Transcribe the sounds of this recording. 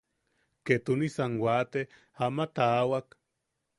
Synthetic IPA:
ket̪unisanwat̪e | amat̪aːwak

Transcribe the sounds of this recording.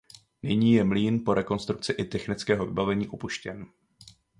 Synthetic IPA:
nɪɲiːjɛmliːnpo̞ɾɛko̞nst̪ɾuk̚t͡sɪʔɪt̪ɛxnɪt͡skɛːɦo̞vɪbavɛɲiːʔopuʃcɛn

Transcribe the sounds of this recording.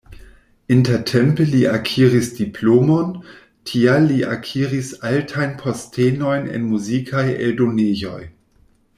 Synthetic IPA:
intetʰempeliʔakʰiɾisd̥iplomo̞n | tʰialːiʔakʰiɾisaltʰajnpʰostʰeno̞jnḛnmuzikʰajḛldonejo̞̰j

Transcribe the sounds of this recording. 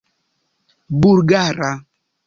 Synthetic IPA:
buɾɡaɾa

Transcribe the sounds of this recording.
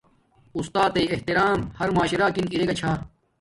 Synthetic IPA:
ust̪aːt̪ɐiːeht̪iɾaːmhɐɾmaːɕɾaːkiniɾeɡɐt͡ɕʰaː

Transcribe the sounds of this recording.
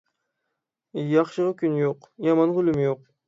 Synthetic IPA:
jɑχʃɨʁɑkʲʰynjoqjɑmɑnʁʊlɪmɪjoq̚

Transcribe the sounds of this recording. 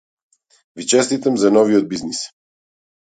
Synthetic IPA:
vit͡ʃɛst̪it̪amzanɔviɔd̪̚biznis

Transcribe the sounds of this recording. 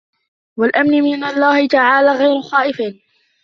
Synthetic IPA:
walʔamnɪmɪnalˤːaːhɪt̪aʕaːlaːɣajɾʊxɑːʔɪfiːn

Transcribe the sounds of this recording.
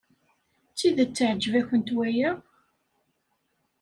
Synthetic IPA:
t͡sːiðət͡sːəʕd͡ʒəvæçənt̪wæjəʁ

